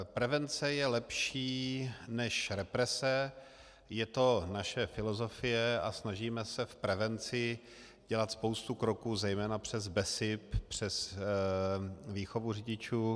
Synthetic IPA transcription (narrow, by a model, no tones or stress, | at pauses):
pɾɛvɛnt͡sɛjɛlɛpʃiːnɛʃɾɛpɾɛsɛ | jɛt̪o̞naʃɛfɪlo̞zo̞fɪjɛa̰snaʒiːmɛsɛfpɾɛvɛnt͡sɪ | ɟ̥ɛlat̪spo̞wst̪ukɾo̞kuːzɛjmɛːnapr̝̥ɛzbɛsɪppr̝̥ɛs | viːxo̞vurɪɟɪt͡ʃuː